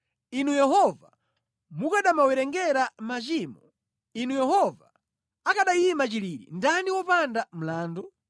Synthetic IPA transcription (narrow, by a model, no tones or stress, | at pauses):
inujɛɦɔva | mukaɗamawɛɾɛŋɡɛɾamat͡ʃiːmɔ | inujɛɦɔva | akaɗajiimat͡ʃiliɾḭndaniwɔpandam̩laːndɔ